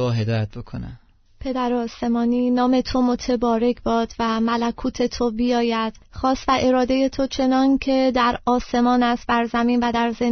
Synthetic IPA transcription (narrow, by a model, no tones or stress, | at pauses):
ɒːɦed̪ɒːjæt̪̚bokʰonæ̰ | pʰe̞d̪æɾeɒːse̞mɒːniːnɒːme̞t̪ʰo̞mot̪ʰebɒːɾe̞cʰbɒːd̪̥væmælækʰuːt̪ʰe̞t̪ʰobijɒːjæd̪̥xɒːst̪væʔe̞ɾɒːd̪e̞je̞t̪ʰo̞t͡ʃʰe̞nɒːncʰe̞d̪æɾɒːse̞mɒːnæst̪bæɾzæmiːnvæd̪æɾze